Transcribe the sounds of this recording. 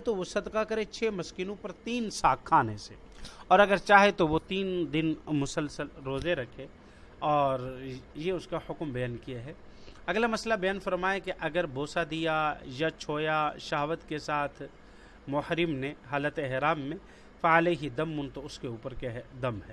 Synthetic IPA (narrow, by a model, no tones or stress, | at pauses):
et̪oʋosɐd̪kakɐɾẽt͡ʃʰeːmɐskiːnõpɐɾt̪iːnsaːkʰːaːnese | ɔːɾɐɡəɾt͡ʃaːɦet̪oʋot̪iːnd̪ɪnmʊsəlsəlɾoːzeɾɐkʰe | ɔːɾjeʊskahʊkmbɐjaːnkijaɦɛ | ɐɡlamɐslabɐjaːnfɐɾmaːekeʔɐɡəɾbʱoːsad̪ijajat͡ʃʰoːjaʃaɦʋət̪kesaːt̪ʰ | mʊhɾɪmneɦaːlət̪ɛɦɾaːmːẽ | faleɦid̪ɐmɦʊ̃nt̪oʊskeuːpəɾkɛɦɛd̪ɐmɦɛː